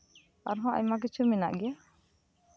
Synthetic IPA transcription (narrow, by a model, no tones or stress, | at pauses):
aɾɦɔ̃ʔa̰ɲmak̬it͡ʃʰumɛna̰ʔɡɛja